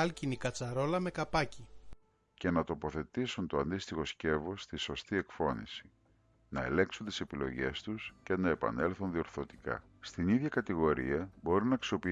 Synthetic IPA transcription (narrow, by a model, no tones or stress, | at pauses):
ɐlcinikɐt͡sɐɾo̞lɐme̞kɐpɐci | ce̞nɐt̪o̞po̞θe̞t̪isunt̪o̞ɐnd̪ist̪ixo̞sce̞vo̞st̪iso̞st̪ie̞kfo̞nḭsi̥ | nɐe̞̰le̞ŋksunt̪i̥se̞pilo̞̰ʝe̞st̪usce̞nɐe̞pɐ̰ne̞lθunðio̞ɾθo̞t̪ikɐ̰ | st̪iniðʝɐkɐt̪iɣo̞ɾḭɐbo̞ɾinɐksio̞pi